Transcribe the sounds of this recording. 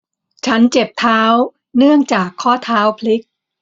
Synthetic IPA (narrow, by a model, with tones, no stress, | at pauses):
t͡ɕʰa˦˥nt͡ɕe˨˩p̚t̪ʰaː˦˥w | nɯ˥˩əŋt͡ɕaː˨˩kʰːɔː˥˩t̪ʰaː˦˥wpʰli˦˥k̚